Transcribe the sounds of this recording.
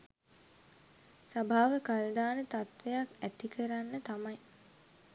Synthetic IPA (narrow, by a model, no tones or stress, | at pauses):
sabʱaːʋəkald̪aːnət̪at̪ʋejakæt̪ikʰəɾanːət̪amɐj